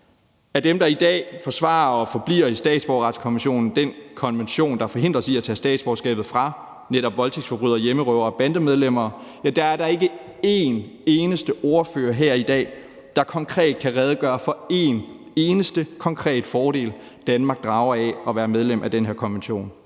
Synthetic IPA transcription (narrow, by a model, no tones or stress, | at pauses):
æɐd̥emd̥ɑ̈id̥ɛ̰ːfɒ̽sʋɑ̰̈ːɐɒ̽fɒ̽b̥lḭːɐisd̥ɛ̰ːd̥sb̥ɒʊʁɑ̈d̥skʰɒ̽nʋenɕo̝̰ːnn̩d̥enkʰɒ̽nʋenɕo̝̰ːnd̥ɑ̈fɒ̽ɦe̝n̰d̥ʁɐsiæt͡sʰɛ̰ːsd̥ɛ̰ːd̥sb̥ɒʊsɡ̥ɛ̰ːb̥ð̩ˠfʁɑ̈ | neɾɒ̽b̥ʋɒ̽lt͡sʰeɡ̥sfɒ̽b̥ʁy̰ð̰ˠɐjeməʁœʊ̰ɐɒb̥ænd̥əmeð̞ˠlem̰ɐːjæd̥ɑ̈æɐɾ̥ɑ̈e̝ɡ̥ə | e̝neːnəsd̥əʔo̝ɐfø̰ːɐɦeɐ̰id̥ɛ̰ː | d̥ɑ̈kʰɒ̽ŋkʰʁɛ̰ːd̥̚kʰæʁɛð̞ˠəɡ̥ɶːɐfɒ̽e̝n | e̝ːnəsd̥əkʰɒ̽ŋkʰʁɛ̰ːd̥fɒːɾ̥e̝̰ːl | d̥ænmɑ̈ɡ̥̚d̥ʁɑ̈ʊɐɛɒ̽ʋæːɐmeð̞ˠlemʔæd̥enɦeɐ̰kʰɒ̽nʋenɕo̝̰ːn